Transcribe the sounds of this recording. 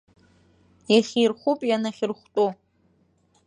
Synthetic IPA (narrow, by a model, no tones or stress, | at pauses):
jaχʲirχʷupʼjanaχʲɪrχʷtʼu